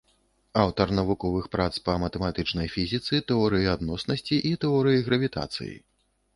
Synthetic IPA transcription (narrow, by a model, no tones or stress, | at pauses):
awt̪ɐrnɐvukɔvɨxpɾat̪spɐmɐt̪ɛmat̪ɨt͡ʂnɐjfʲizʲit̪sɨt̪ɛɔɾɨjiad̪nɔsnɐsʲt͡sʲiʔit̪ɛɔɾɨjiɣɾɐvʲit̪a̰t̪sɨ̰jḭ